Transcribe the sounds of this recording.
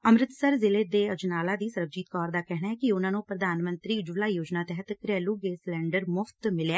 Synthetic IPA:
əmɾɪt̪səɾzɪleːd̪eːəd͡ʒnaːlaːd̪iːsəɾəb̚d͡ʒiːt̪̚kɔːɾd̪aːkɛɦnaɦɛːkiʊnãːnũːpɾəd̪aːnmə̃nt̪ɾiːd͡ʒʊlaːijoːd͡ʒnaːt̪ɛɦət̪kɾɛːluːɡeːslɛ̃ːɳɖəɾmʊfʰt̪mɪlaː

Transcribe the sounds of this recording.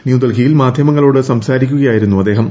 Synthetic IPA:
njuːd̪ɐlɡijilmaːd̪ʱjɐmɐŋːɐɭo̞ːɽɨsɐmsaːɾikʲːuɣɐjaːjiɾunːuɐd̪ːe̞ːɦɐm

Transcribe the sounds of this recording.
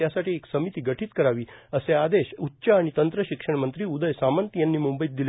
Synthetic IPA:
jasaʈiːeksəmit̪iːɡəʈʰiːt̪kəɾaʋiːəsead̪eɕutːɕaːɽ̃it̪ənt̪ɾəɕikʂəɳmənt̪ɾiːud̪əjsamant̪jãnːiːmumbəjit̪̚d̪il

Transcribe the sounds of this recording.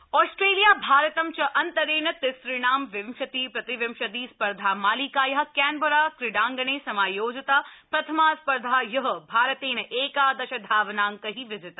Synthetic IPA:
ɔːsʈɾeːlijaːbʱaːɾɐt̪ɐmt͡ʃɐʔɐnt̪ɐɾeːnɐt̪ɪsɾiɳaːmʋɪmʃɐt̪iːpɾɐt̪iʋɪmʃɐt̪iːspɐɾd̪ʱaːmaːliːkaːjɐɦɐ̆kɛːnboɾaːkɾɪɖaːŋɡɐneːsɐmaːjoːd͡ʒɐt̪apɾɐt̪ʰɐmaːspɐɾd̪ʱaːjɐɦɐbʱaːɾɐt̪eːnɐʔeːkaːd̪ɐʃɐd̪ʱaːʋnaːŋkɐɦiːʋɪzɪt̪a

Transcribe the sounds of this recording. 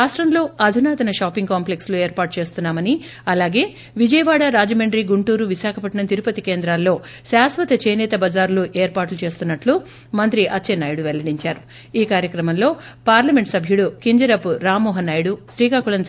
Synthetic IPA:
aːʂʈɾɐmlo̞ːɐd̪ʱunaːt̪ɐnɐʃaːpiŋɡkaːmplekslueːɾpaːɾʈ̚t͡ʃe̞ːst̪unːaːmɐni | ɐlaːɡe̞ː | ʋid͡ʒɐjɐʋaːɽaɾaːd͡ʒɐmɐɳɖɾiɡuɳʈuːɾuʋiʃaːkʰɐpɐʈnɐt̪iɾupɐt̪ikeːnd̪ɾaːlːo̞ː | ʃaːsʋɐt̪ɐt͡ʃeːnɛːt̪ɐbɐd͡ʒaːɾluʔeːɾpaːʈlut͡ʃe̞ːst̪unːɐʈlu | mɐnt̪ɾiʔɐtːt͡ʃenɐjɽuʋɛlːɐɽiɲt͡ʃaːɾu | iːkaːɾjɐkɾɐmɐmlo̞ːpaːɾlɐmeɳʈsɐbʱjuɽukiɲd͡ʒɐɾɐpuɾaːmɔːɦɐnajɽuʃɾiːkaːkuɭɐn

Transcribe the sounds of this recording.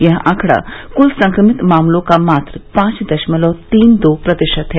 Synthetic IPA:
jɐɦãːkʰɽa̰kulsɐ̃ŋkɾəmɪt̪maːmlõkamaːt̪ɾəpãːt͡ʃd̪ɐʃməlɔːt̪iːnd̪oːpɾɐd̪əʃət̪ɦɛː

